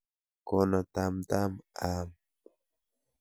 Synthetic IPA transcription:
konat̪amt̪amam

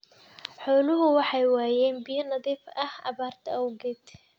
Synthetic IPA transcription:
ħɔːlʊɦʊwɑħɑjwaːjɛːnbɪjɐnɐðiːfɐhɑ̰βaːrt̪ʰɐɐwɡɛd̪

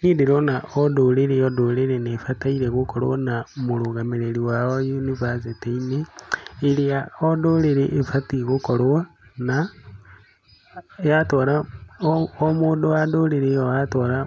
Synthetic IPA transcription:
nidiɾonaʔodoleɾeodoleɾenefataiɾeɣukoɾ̰wanamuluɣameɾeliwaojunivaseteineeliaodoleɾeʔefatiɣukoɾowa | na | jatoɾa | omuːndowadoleɾeoatoɾa

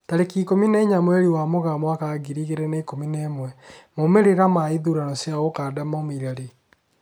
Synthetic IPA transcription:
taɾekikomineɲamwɛɾiwamoɣamwakaɡiɾiɣeɾɛneikomineːmwɛmomeɾeɾamaiðuɾanɔsjaɣokadamɔmiɾaɾe

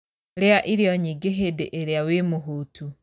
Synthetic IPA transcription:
ɾeaʔiɾjɔɲiɡeɦedeʔeɾeawemuɦutʰu

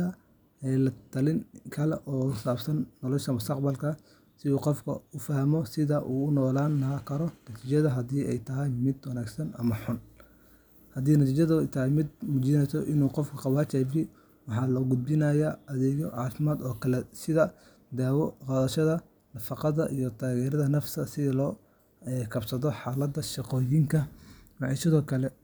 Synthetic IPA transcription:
ɐ | ɛːlɐt̪ʰɐlɪŋkʰɐlɛʔɔːʊsaːbsɐnːɔlɔʃɐmʊst̪ʰɐqbɐlkʰɐ | sɪuːqɔfkʰɐ̰ʊfɐhmɔsɪðɐʔuːʊnɔːlaːnːɐkʰɐɾɔnɐt̪ʰiːt͡ʃɐðɐɦɐd̪iːʔɛ̰jt̪ʰɐɦɐjmɪd̪wɐnaːɡsɐnɐ̰mɐħʊn | hɐd̪iːnɐt̪ʰiːt͡ʃɐðʊɛjt̪ʰɐɦɛjmɪd̪̚muːt͡ʃɪnɛjsɔʔɪnuːqɔfkʰɐ̥qɑwaːt͡ʃɛːbɪ | wɑħɑːlɔːɡʊd̪̚bɪnɐjaːɐðɛːɣɔʕɑːfɪmaːd̪ɔːkʰɐlɛsɪðɐ | d̪aːwɔqɑːðɐʃɐðɐ | nɐfɑqɑðɐʔijɔt̪ʰaːɣɛːɾɐðɐnɐft̪ʰɐsɪðlɔː | ɛkʰɐbsɐðɔħɑːlɐd̪ːɐʃɪqɔːjiŋkʰɐmɑʕisɪðɔːkʰɐlɛ

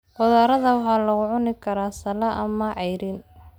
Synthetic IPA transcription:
qɔðaːɾɐðɐwɑħɑːlɐɣʊʕʊnɪkʰɐɾaːsɐlɐʔɐ̰mɐʕɛjɾin

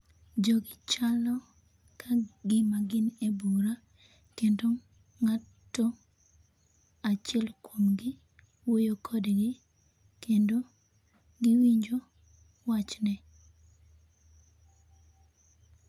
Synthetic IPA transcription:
d͡ʒoɡɪt͡ʃalɔ | kʰaɡɪmaɡɪnebuɾa | kendo | ŋatː | o | at͡ʃɪɛlkwomɡɪ | wojokʰodeɡɪ | kendo | ɡɪwiɲd͡ʒo | wat͡ʃnɛ

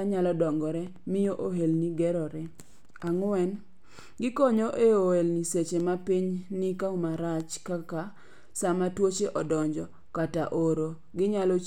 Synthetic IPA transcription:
aɲalɔdɔŋɡɔɾɛmɪjoʔoɦelniɡɛɾɔɾɛ | aŋwɛn | ɡɪkɔɲoʔeohelniset͡ʃemapiɲnikaumaɾat͡ʃkaka | samatwot͡ʃeʔɔdɔɲd͡ʒɔ | kataʔoɾo | ɡɪɲalɔ

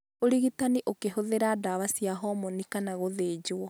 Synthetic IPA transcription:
oɾiɣitaniʔokeɦoðeɾadaβasjaɦɔmɔnikanaɣoðeːd͡ʑoɔ

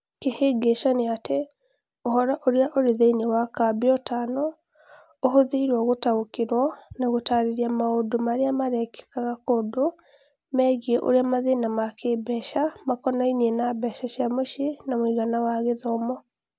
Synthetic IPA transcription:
keheɡeʃɔneate | oɦɔɾaʔoɾeaʔoɾeðeinewakabjɔtanɔ | oɦoðeiɾwaɣotaokeɾwɔnaɣotaɾeɾiamaodomaɾeamaɾɛkɛ̥kaɣakodo | mɛɣiɛʔo̰ɾeamaðenamakʰebɛʃamakɔnainiɛnabɛʃaʃiamoʃenamwiɣanawaɣeðɔmɔ

